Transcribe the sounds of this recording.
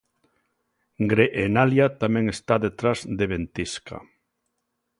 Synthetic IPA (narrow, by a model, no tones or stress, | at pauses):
ŋɡɾeʔːnaljat̪amẽŋest̪aðet̪ɾazd̪eβent̪iska̰